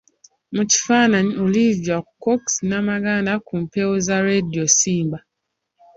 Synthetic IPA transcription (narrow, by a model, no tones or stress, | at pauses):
mut͡ʃi̥fanaɲɔliviakɔksnamaɡandakum̩pɛɔzaɾediɔsimba